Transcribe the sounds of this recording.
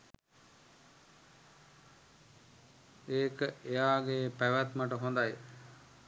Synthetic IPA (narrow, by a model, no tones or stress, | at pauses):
eːkəʔejaːɡepæʋæt̪maʈəɦond̪aj